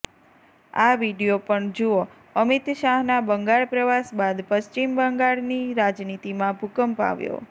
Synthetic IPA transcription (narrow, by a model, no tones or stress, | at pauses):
aʋiɽijopəɳd͡ʒuo | əmit̪ʃaɦnabəŋɡaɭpɾəʋasbad̪pəʃt͡ʃimbəŋɡaɭniɾad͡ʒnit̪imãbʱukəmpa̰ʋjo̰